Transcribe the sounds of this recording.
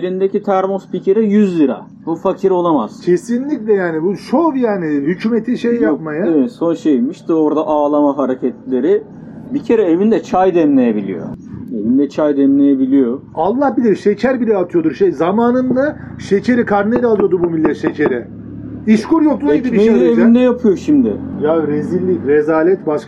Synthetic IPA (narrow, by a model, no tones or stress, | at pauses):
eɾind̪ecit̪ʰæɾmospicʰeɾɛjyzlʲiɾa̰ | bufacʰiɾo̞lˠamaz̥cʰesinlʲiclʲɛjaːnibuʃovjaːnihycʰymet̪ʰiʃejjap̚majaeɛso̞nʃejmiʃt̪o̞ɾd̪aʔaːlˠamaɦaɾecʰɛt̪lʲe̞ɾɪ | bicʰe̞ɾɛevind̪ɛt͡ʃʰajd̪ɛmlʲejebilʲḭjo̰e̞vind̪ɛt͡ʃʰajd̪ɛmlʲe̞jebilʲijoalˠːahbilʲiɾʃecʰæɾbilʲɛat̪ʰɯjo̞d̪uɾʃejzamaːnɯnd̪a | ʃecʰe̞ɾikʰaɾnelʲalˠɯjod̪ubumilʲːɛt̪ʃecʰeɾɛ | iʃkuɾjok̪̚ˠaid̪ibimeevind̪ɛjapʰɯjo̞ʃimd̪ɪ̰jaɾezilʲːicɾezaːlʲɛt̪baʃk